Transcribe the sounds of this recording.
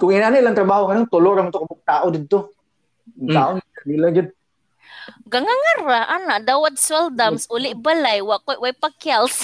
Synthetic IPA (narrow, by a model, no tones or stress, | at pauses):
kʊŋinanaʔilaŋt̪ɾabaːhoŋanont̪ʊloɾaŋmat̪okabʊk̚t̪aːʔod̪ɪd̪̚t̪o | k̪aːʔʊnɪanilaɡɪd̪̚ | ɡaŋaŋaɾaʔanaʔd̪awat̪̚swɛld̪amsʔʊlɪʔbalajwaʔkojʔwajpakjals